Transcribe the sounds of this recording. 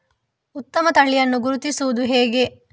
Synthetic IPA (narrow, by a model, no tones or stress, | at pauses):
ut̪ːɐmɐt̪ɐɭːijɐnːuɡuɾut̪isuʋud̪uɦeːɡe̞